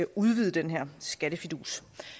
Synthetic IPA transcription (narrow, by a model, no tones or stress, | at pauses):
æʔuð̞ˠʋiːð̞ˠəd̥enɦeɐ̰sɡ̥æɾ̥əfid̥ṵːs